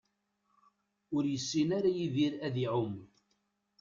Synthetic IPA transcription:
ʊɾjəsːinaɾajiviɾæðiʕʊm

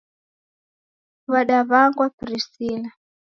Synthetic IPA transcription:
βaɗaβaŋɡwapiɾistiːla

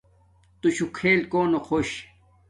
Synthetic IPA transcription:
t̪uɕukʰeːlkoːnoxʰoɕ

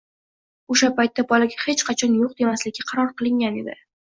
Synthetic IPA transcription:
oʃapajt̪ːabɒlaɡʲahet͡ʃqʰɑt͡ʃʰɒnjoq̚d̪e̞maslɪɡʲɪqʰɑɾɒɾqɨlˠɪŋʲane̞d̪ɪ

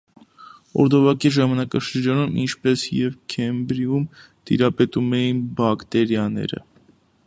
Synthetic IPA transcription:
ɔ̰ɾd̪ɔvɑkiʒɑmɑnɑkɑʃəɾd͡ʒɑnumḭnt͡ʃʰpɛsjɛvkʰɛmbɾium | t̪ḭɾɑpɛt̪umɛjinbɑkt̪ɛɾjɑnɛ̰ɾə̰

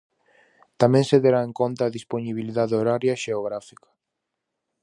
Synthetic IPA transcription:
t̪amẽŋseðeɾaeŋkont̪aːðisponiβ̞iliðaðoɾaɾjaʃeoɣɾafikḁ

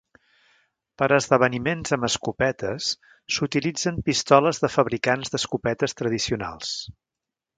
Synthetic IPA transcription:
pəɾəzðəβənimenzəməskupɛt̪əsː | ut̪ilid͡zəmpist̪ɔləzðəfəβɾikanzðəskupɛt̪əst̪ɾəð̞isiuna̰lˠs

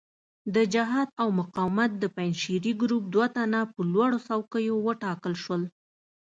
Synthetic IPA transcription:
d̪əd͡ʒaɦɑd̪awmʊqɑwɪmat̪̚d̪əpajnʃiɾiɡɾup̚d̪wat̪anapəlwaɽosawkəjowəʈɑkəlʃwəl

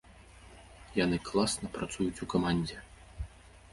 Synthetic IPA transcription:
janɨklˠasnɐpɾat̪sujut͡sʲukamanʲd͡zʲɛ

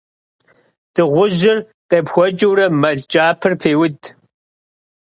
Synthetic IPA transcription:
d̥ɨʁʷʊʑɪr | qeːpxʷɔt͡ʃʼɪwɾɐmɐɮt͡ʃʼaːpʰɨrpʰeːwʊd

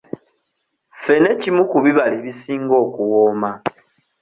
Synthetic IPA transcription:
fe̞ne̞cimukuβiβaleβisiːŋɡo̞ːkuwoːma

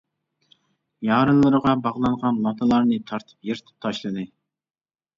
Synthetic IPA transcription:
jɑːɾɨnlˠɨɾəʁɑbɑʁlˠɑɴʁɑnlˠɑt̪ʰɨlˠɑɾnɨt̪ʰɑɾt̪ʰɨ̥pjeɾɪt̪ʰɪ̥p̚t̪ʰɑʃlˠɨd̪ɨ

